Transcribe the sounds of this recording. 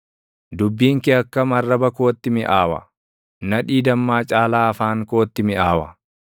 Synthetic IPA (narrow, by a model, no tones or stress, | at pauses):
d̪ʊbːiːŋkɪɐkːɐmɐrːɐbɐko̞ːt̪ːɪmɪʔaːwɐ̰ | nɐᶑiːd̪ɐmːaːt͡ʃʼaːlaːɐfaːŋko̞ːt̪ːɪmɪaːwɐ